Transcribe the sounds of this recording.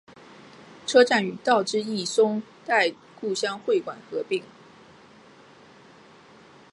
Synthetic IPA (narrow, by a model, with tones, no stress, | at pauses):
ʈ͡ʂʰɤ˥ʈ͡ʂa˥˩ny˨˩t̪ɑ˥˩ʊʈ͡ʂɻ̩˥i˥˩sʊ˥ŋt̪a˥˧ɪ | ku˥˩ɕjɑ˥ŋxwe˥˩ɪkwa˨˩nxɤ˧˥pi˥˩ŋ